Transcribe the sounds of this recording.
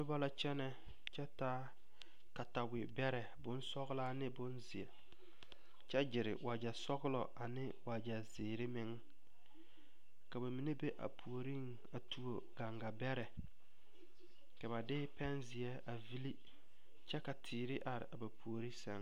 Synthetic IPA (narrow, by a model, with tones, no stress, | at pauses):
nʊ˦ba˦la˦t͡ʃɛ˦nɛ˦ | t͡ʃɛ˦ta˦ | ka˨ta˨wɪ˨bɛ˦ɾɛ˨bʊ˦n˦sɔ˦ɣɪ˦laː˦nɪ˦bʊ˦nzɪ˨ɛ˨ | t͡ʃɛ˦d͡ʒɪ˨ɾɪ̰˨wʔa˨d͡ʒɛ˨sɔ˦ɣɪ˦lɔ̰˨ʔa˨nɪ˦wa˨d͡ʒɛ˨zɪː˨ɾɪ˦mɪ˦ŋ | ka˨ba˨mi˨ne˦be˦ʔa̰˨pʰu˨o˨ɾi˦ŋ | a˨tʰu˦o˨ɡa˨ŋɡa˨bɛ˦ɾɛ˨ | ka˨ba˨dɪ˦pɛ˦nzɪ˨ɛ˦a˨vi˦li˦ | t͡ʃɛ˦ka˨tʰɪː˨ɾɪ˦ʔa˨ɾɪ̰˨ʔa˨ba˨pʰu˨o˨ɾi˦sɛ˦ŋ